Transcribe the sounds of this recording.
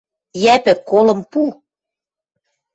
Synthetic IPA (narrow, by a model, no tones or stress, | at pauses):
jæpɘ̆kːolɤ̆mpu